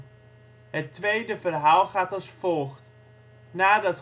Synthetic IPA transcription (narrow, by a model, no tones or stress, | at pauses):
ɦətʋejdəvərɦaːlˠχaːtɑlˠsfolˠχt | naːdɑt